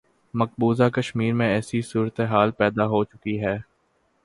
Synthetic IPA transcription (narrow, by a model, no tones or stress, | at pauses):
mɐk̚buːzakəʃmiːɾmẽɛːsisuːɾət̪eɦaːlpɛːd̪aɦot͡ʃʊkiɦɛː